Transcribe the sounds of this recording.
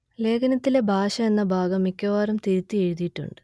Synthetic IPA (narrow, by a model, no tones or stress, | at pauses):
le̞ːɡʰɐnɐt̪ːile̞bʱaːɕɐe̞nːɐbʱaːɡɐmːikʲːɐʋaːɾɐmt̪iɾut̪ːie̞ɻuðijiʈːṵɳɖɨ